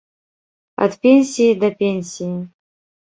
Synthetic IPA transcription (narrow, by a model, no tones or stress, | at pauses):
a̰dpʲenʲsʲijid̪apʲenʲsʲiji